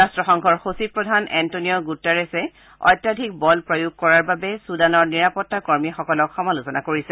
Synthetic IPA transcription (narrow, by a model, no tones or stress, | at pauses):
astɹɔxɔŋkʰɔɹxosipɹɔdʱanɛntoniɔɡutːaɹɛsɛ | ɔ̰jtːadʱik̚bɔlpɹojuɡ̚kɔɹaɹbabɛsudanɔɹniɹapɔtːakoɹmixɔkɔlɔkxɔmalusɔnakoɹisɛ